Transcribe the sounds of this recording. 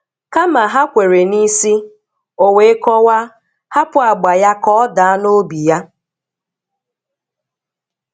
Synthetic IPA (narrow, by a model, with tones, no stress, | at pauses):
ka˦ma˨ɦa˦kʷe˨ɾe˨ni˦si˦ | o˨we˨˦kɔ˦wa˦ | ha˦pʊ˦˨a˨ɡ͡ba˨ja˦kɔ˦ɔ˦da˨a˦no˦bi˨ja˦